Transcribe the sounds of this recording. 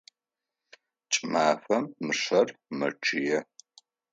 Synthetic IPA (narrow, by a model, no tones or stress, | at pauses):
t͡ʃʼmaːfɐmːɨʂɐrmɐʈ͡ʂʰʼɪjɛ